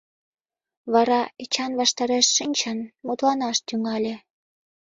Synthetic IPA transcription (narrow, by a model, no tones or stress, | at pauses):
βɑɾɑet͡ɕɑnβɑʃt̪ɑɾeʃːinʲt͡ɕɑnmud̪lɑnɑʃt̪yŋɑlʲe